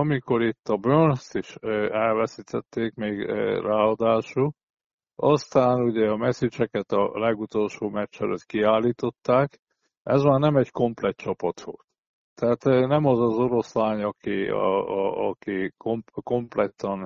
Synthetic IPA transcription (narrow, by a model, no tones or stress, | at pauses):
ɒmiko̞ɾit̪ːɒbønst̪iʃøɛlvɛsit̪ʰɛt̪ːeːkmeːɡraːɒd̪aːʃu | ɒst̪aːnuɟɛɒmɛsit͡ʃɛkɛt̪ɒ̰lɛɡut̪o̞lʃoːmɛt͡ʃːɛlø̰t̪kiaːlːiːt̪o̞t̪ːaːk | ɛzmaːrnɛmɛɟko̞mplɛt̪̚t͡ʃɒpɒt̪ʋo̞̰lt̪ː | ɛɦaːt̪nɛmɒzɒzo̞ɾo̞slaːɲɒkḭː | kikompko̞mplɛt̪ɒn